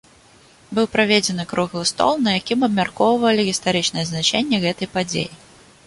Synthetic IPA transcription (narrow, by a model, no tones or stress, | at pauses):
bɨwpɾavʲed͡zʲɛnɨkɾuɣlˠɨst̪ɔ̰lˠnɐjakʲimɐbmʲarkɔvvɐlʲiɣʲist̪aɾɨt͡ʂnɐjɛznat͡ʂɛnʲːɛɣɛt̪ɐjpad͡zʲḛji